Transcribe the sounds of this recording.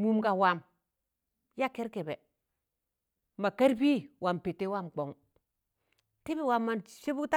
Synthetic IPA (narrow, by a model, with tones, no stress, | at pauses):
mu˦mɡa˨wa˨m | ja˦ke˦ɾke˨be˨ | ma˨ka˦ɾbi˦wa˨mpe˨tːe˦wa˦˨mk͡po˨ŋ | ti˦bi˨wa˨mːa˨nse˦bu˦ta˦